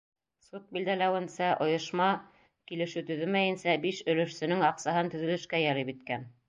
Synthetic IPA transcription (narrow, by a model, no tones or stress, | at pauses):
sut̪̚bild̪ælæwɘ̆nsæʔŏjŏʃmɑ | kilɘ̆ʃɘt̪ɵ̆ðɵlmæjɘ̆nsæbiʃɵ̆lɵ̆ʃsɘ̆nɘŋɑqsɑɦɤnt̪ɵ̆ðɵ̆lɵ̆ʃkæjɑɾipit̪̚kæn